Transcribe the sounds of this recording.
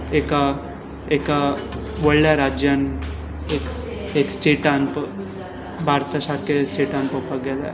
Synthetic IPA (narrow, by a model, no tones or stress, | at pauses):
eka | eːka | ʋɐɭːaɾaːd͡ʒjɐn | ek | eksʈeːʈanp | bʱaːɾt̪ɐʃaɾkesʈeːʈanpəpɐɡed̪ḛ